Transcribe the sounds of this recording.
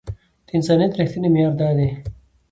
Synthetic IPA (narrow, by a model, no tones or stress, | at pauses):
d̪̥əɪnsaːnijɐt̪ɾixt̪inemjaːɾd̪aːd̪e